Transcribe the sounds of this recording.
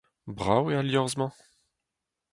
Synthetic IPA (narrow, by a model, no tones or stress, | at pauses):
bʁawealjɔʁzmɑ̃